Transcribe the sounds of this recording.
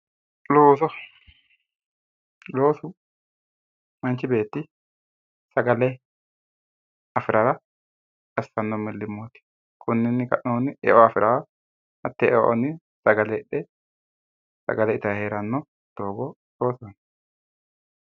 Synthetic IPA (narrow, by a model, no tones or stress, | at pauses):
loːsɔ | lo̞ːsʊ | mɐnt͡ʃɪbe̞ːt̪ːɪ | sɐɡɐlɛ | ɐfɪɾʔɐɾɐ | kɐsɐnːɔmɪlːɪmːot̪ɪ̥ | kʰʊnːɪnːɪkɐ̰ʔnoːnɪʔɛ̰ʔɔɐfɪɾʔɐ | hɐt̪ːɛʔɛʔɔ̰nːɪ | sɐɡɐlɛᶑɛ | sɐ̰ɡɐlɛɪt̪ɐheːɾɐnːɔ | d̪̥oːɡɔ | loːsɔn